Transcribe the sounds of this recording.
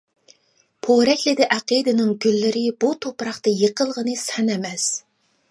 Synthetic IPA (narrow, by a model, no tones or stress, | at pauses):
pʰoɾɛkʲlɪd̪ɪʔæqid̪ɪnɪŋɡʲylːɪɾɪbut̪ʰopɾɑχt̪ɑjəqʰəlˠʁənɨsɛnɛmɛs